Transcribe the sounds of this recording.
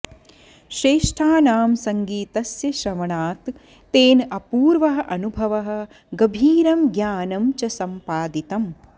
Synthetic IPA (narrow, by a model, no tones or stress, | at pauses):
ʃɾeːʂʈʰaːnaːmsɐŋɡiːt̪ɐsjɐʃɐʋɐɳaːt̪ː | eːnɐpuːɾʋɐɦɐ̆ʔɐnubʱɐʋɐɦɐ̆ | ɡɐbʱiːɾɐmɡjaːnɐmt͡ʃɐsɐmpaːd̪it̪ɐm